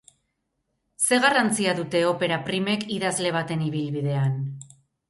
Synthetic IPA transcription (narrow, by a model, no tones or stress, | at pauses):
se̞ɣarant͡siaðut̪e̞o̞pe̞ɾapɾime̞kiðazle̞β̞at̪e̞niβilβiðe̞an